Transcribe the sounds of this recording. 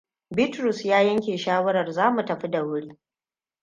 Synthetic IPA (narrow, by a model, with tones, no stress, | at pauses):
bɪ˦tɾʊ˨sjaː˦jɐ˦ŋkʲeː˨ʃaː˦wɐ˦ɾɐ˨rzaː˦mu˨tɐ˨ɸi˦da˨wʊ˦ɽi˦